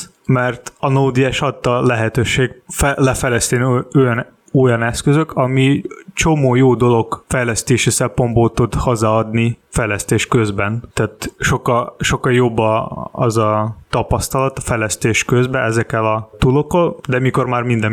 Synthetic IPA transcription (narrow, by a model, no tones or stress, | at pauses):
mɛrt̪ɒnoːd̪iɛʃɒt̪ːɒlɛɦɛt̪øːʃeːɡfɛlɛfɛjlɛst̪eːnojɒn | o̞jɒnɛskøzø̞kʰɒmit͡ʃo̞moːjoːd̪o̞lo̞ɡfɛjlɛst̪eːʃisɛmpo̞mboːlt̪ud̪hozaːɒd̪nifɛjlɛst̪eːʃkøzbɛnt̪ɛːt̪ʃo̞kːɒʃo̞kːɒljo̞bːɒɒzɒt̪ɒpɒst̪ɒlɒt̪ɒfɛjlɛst̪eːʃkøzbɛɛzɛkːɛlɒt̪ulo̞kːold̪ɛmiko̞rmaːrmind̪ɛ